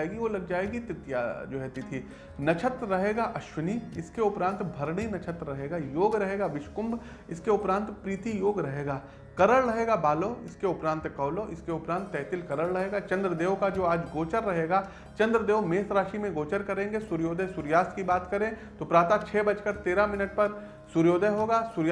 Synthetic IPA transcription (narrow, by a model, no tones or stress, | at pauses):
eːɡiʋolɐɡ̚d͡ʒaːeːɡit̪ɾɪt̪ja̰d͡ʒoːɦɛːt̪it̪ʰiː | nɐt͡ʃʰət̪ɾɾɐɦeːɡaʔɐʃwəniːɪskeʊpɾãːnt̪bʱɐɾɽinɐt͡ʃʰət̪ɾɾɐɦeːɡajoːɡɾɐɦeːɡaʋɪʃkʊ̃mb | ɪskeʊpɾãːnt̪pɾiːt̪ijoːɡɾɐɦeːɡaː | kɐɾəɭɾɐɦeːɡabaːloːɪskeʊpɾãːnt̪kɐːloʔɪskeʊpɾãːnt̪ːɛːt̪ɪlkɐɾəɽɾɐɦeːɡat͡ʃɐ̃nd̪ɾəd̪eːʋkad͡ʒoːaːd͡ʒɡoːt͡ʃəɾːɐɦeːɡa | t͡ʃɐ̃nd̪ɾəd̪eːʋmeːsɾaːʃimẽɡoːt͡ʃəɾkɐɾẽːŋɡesʊɾjoːd̪əsʊɾjaːst̪kibaːt̪kɐɾẽːt̪oːpɾaːt̪at͡ʃʰɛːbɐt͡ʃkəɾt̪eːɾamɪnəʈ̚pɐɾ | sʊɾjoːd̪əɦoːɡaːsʊɾj